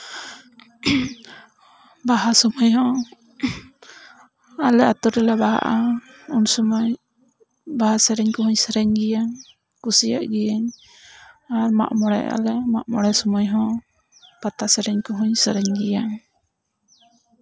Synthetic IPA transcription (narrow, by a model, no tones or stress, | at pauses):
baɦasɔmɔjɦɔ̃ | alɛat̪ɔɾɛlɛbaɦa̰ʔa | unsɔmɔj | baɦasɛɾɛɲkɔɦuɲsəɾɛɲɡijaŋ | kusija̰ʔɡɛjaɲ | aɾma̰ʔmɔɽɛ̰jʔa̰lɛma̰ʔmɔɽɛsɔmɔjɦɔ̃ | pat̪asɛɾɛɲkɔɦuɲsəɾɛɲɡija